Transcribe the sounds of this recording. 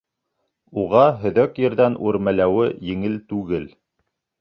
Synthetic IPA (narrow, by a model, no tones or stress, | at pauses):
uʁɑɦɵ̆ðœkjɘ̆ɾðænʔuɾmælæwɘjɘ̆ŋɘlt̪ʉɡɘl